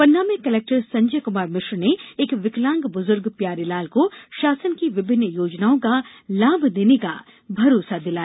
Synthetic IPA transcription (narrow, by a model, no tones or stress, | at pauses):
pɐnːaːmẽkɐleːk̚ʈəɾsɐ̃ɲd͡ʒəkʊmaːɾmɪʃɾneeːkʋɪklãːŋɡbʊzʊɾɡpjaːɾilaːlkoʃaːsənkiʋɪbʱɪnːəjoːd͡ʒnaːõkalaːbʱd̪eːneka | bʱɐɾoːsad̪ɪlaː